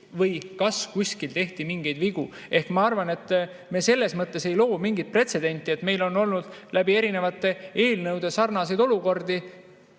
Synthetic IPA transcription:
vɤjkɑskusʲkilt̪e̞ht̪imiŋɡejd̪viɡ̥u | e̞hkmɑɑrvɑne̞t̪ː | me̞se̞lːe̞smɤt̪ˑːe̞se̞jlo̞ːmiŋɡit̪̚pre̞t̪se̞d̪̥e̞nʲt̪ːˑie̞t̪me̞jlo̞nːo̞lnud̪̥læbie̞ɾine̞vɑt̪ːˑe̞e̞ːlnɤwd̪̥e̞sɑrnɑsejd̪o̞luko̞rd̪i

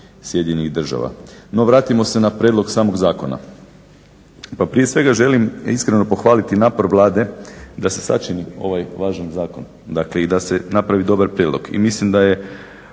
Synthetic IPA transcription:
sje̞d̪ɲeiɣd̪r̩ʒa̰ʋa̰no̞ʋɾaːt̪imo̞se̞napɾʲed̪lˠo̞ɡsaːmo̞ɡzaːko̞na̰ | papɾije̞sʋe̞ɡaʒe̞limiskɾeno̞poxʋaːlit̪inaːpo̞ɾʋlˠaːd̪e̞d̪ase̞sa̰t͡ʃinio̞̰ʋajʋaːʒanzaːko̞n | d̪akle̞id̪ase̞napɾaʋid̪o̞baɾpɾjeːd̪lo̞̰ɡḭmislimd̪aje

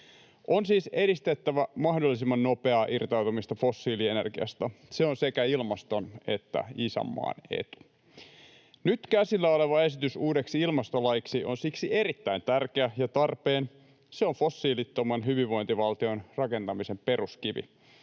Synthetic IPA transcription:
ʔonsiːse̞ɾist̪et̪ːæʋæmɑhdolːisimːɑnnopeɑːʔirt̪ɑwt̪umist̪ɑfo̞sːiːlienerɡiɑ̰st̪ɑseonsekæilmɑst̪o̞ne̞t̪ːæ̰isæ̰mːɑ̰ːne̞̰t̪u̥ | nyt̪kæsilːæoleʋɑe̞sit̪ysuːde̞ksiilmɑst̪olɑjiksio̞nsiksieɾit̪ːæint̪ærk̟eæjɑt̪ɑrpe̞ːn | seoɱfo̞sːiːlit̪ːomɑnɦyʋiʋːo̞int̪iʋɑlt̪io̞nrɑke̞nt̪ɑmisempe̞ruskiʋḭ

